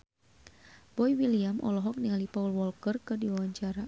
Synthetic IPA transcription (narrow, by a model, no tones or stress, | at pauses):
b̥ɔiwiliamʔɔ̰lɔɦɔk̚niŋalipaulwɔlkərkɨrdiwawaɲt͡ʃaɾa